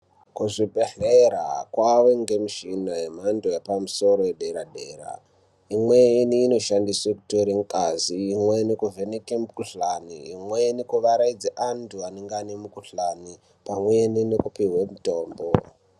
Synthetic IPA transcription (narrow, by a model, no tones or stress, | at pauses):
kuʐiɓeɬeɾa̰kwaweŋɡe̞miʃinaɦem̤andojepamuso̞ɾo̞jeɗeɾaɗeːɾa̰ | imwe̞niːno̞ʃandisweku̥toɾeŋkʼaziːmwenekuvenekemkuɬaniːmwenikuʋaɾaid͡zeʔantuaneŋɡanemukuɬani | pamweːninekupiwemuto̞ːmbo